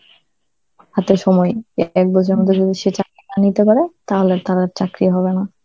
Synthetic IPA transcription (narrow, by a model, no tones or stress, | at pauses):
at̪eʃɔmɔjk̚bɔd͡ʑʰʱeɾmot̪̬ʰod͡ʑod̪iʃet͡ɕakɾianit̪epaɾet̪aɦolet̪aɾaɾt͡ɕakɾiɦɔβena